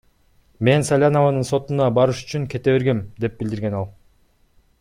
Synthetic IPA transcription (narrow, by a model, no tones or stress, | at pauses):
me̞nsalʲanovanɯnso̞t̪unɑbɑɾɯʃy̥t͡ʃyŋke̞t̪e̞βe̞ɾɡe̞md̪e̞p̚bild̪iɾɡe̞nɑlˠ